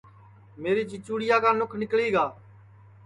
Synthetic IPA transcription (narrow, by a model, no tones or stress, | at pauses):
meːɾiːt͡ʃɪt͡ʃuːɽɪjaːkaːnʊkʰnɪkɭiːɡaː